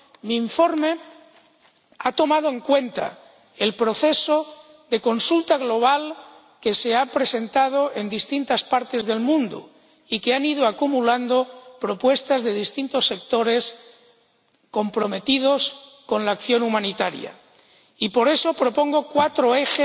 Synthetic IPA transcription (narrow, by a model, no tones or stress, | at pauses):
miːɱfo̞ɾme̞ | at̪o̞mað̞oe̞ŋkwe̞nt̪a̰ | e̞lpɾo̞θe̞so | ðe̞ko̞nsult̪aɣlo̞β̞al | ke̞se̞apɾe̞se̞nt̪að̞oend̪ist̪int̪aspaɾt̪e̞zðe̞lmũnd̪ṵ | ikeaniðoakumuland̪opɾo̞pwe̞st̪azðe̞ð̞ist̪int̪o̞sːe̞k̚t̪o̞ɾe̞s | ko̞mpɾo̞me̞t̪ið̞o̞s | ko̞nlaːkθjo̞numãnit̪aɾj̰a̰ | ipo̞ɾe̞so̞pɾo̞po̞ŋɡo̞kwat̪ɾoexe